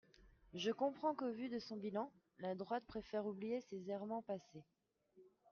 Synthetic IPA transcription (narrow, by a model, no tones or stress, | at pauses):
ʒəkɔ̃pχɑ̃kovyd̪əsɔ̃bilɑ̃ | lad̪ʁwat̪̚pχefɛʁublijesezɛʁmɑ̃pase